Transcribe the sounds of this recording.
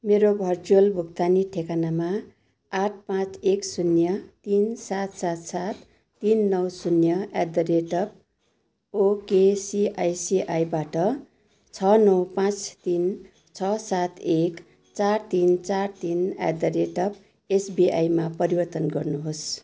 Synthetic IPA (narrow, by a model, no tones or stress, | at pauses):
meɾobʱʌrd͡ʒolbʱuk̚t̪aniʈʰekanama | aʈ̚ʰpãt͡seksunjʌt̪insat̪sat̪sat̪ː | inːʌwsunjʌa̰d̪ʌɾeʈʌb̚ | okesiʔajsiʔajbaʈʌ | t͡sʰʌnʌwpãt͡st̪in | t͡sʰʌsat̪ʰek | t͡sart̪int͡sart̪ina̰d̪ʌɾeʈʌp̚ | esbiʔa̰jmapʌɾibʌrt̪ʌnɡʌrnuɦos